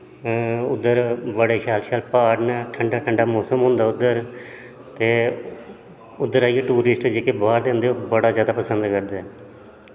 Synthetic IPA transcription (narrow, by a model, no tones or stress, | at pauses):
ʊd̪ːəɾʋəɽeːʃaːlʃaːlpaːɾnːʈʰəɳɖaːʈʰəɳɖaːmoːsəmɦʊ̃nd̪aːʊd̪əɾ | t̪eː | ʊd̪ːəɾaːijeʈuːɾɪsʈd͡ʒeːkeːbaːɾd̪eːənd̪eobəɽaːzjaːd̪aːpəsənd̪kəɾd̪aɛ